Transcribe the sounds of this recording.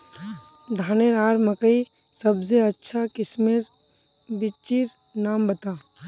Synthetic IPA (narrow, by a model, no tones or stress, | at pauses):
d̪ʱaːneɾaːɾməkəi | sɐbseɐtːʃʰakɪsmeɾ | bɪt͡ʃiɾ | naːmbət̪aː